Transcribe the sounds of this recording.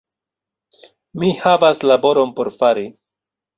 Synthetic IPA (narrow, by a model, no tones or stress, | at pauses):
mihavaslabo̞ɾo̞npo̞ɾfaɾi